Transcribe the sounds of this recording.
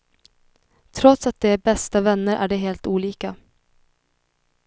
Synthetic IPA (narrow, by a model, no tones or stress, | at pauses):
t̪ʰɾɔt̪sat̪̚d̪ɛːæɾbɛst̪avɛnːəɾʔæ̰ɖɛɦeːlt̪uːliːka